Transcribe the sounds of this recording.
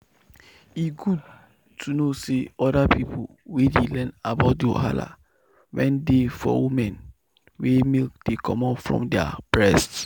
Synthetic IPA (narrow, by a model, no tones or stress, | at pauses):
isɡud̚ | tʰunoseɔdapipʰo | wedelɛ̃nabaʊt̚dio̰ha̰la̰ | wɛ̃ndefɔ̰wumɛ̃n | wemek̚d̥ekʰɔ̃mɔfɹɔ̰̃mdɛa̰b̥ɹɛst